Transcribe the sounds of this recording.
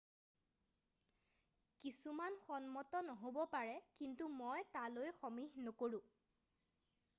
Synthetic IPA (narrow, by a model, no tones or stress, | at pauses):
kisumanxɔnmɔtɔnɔɦobɔpaɹɛkintumɔjtalojxɔmiɦnɔkoɹʊ̃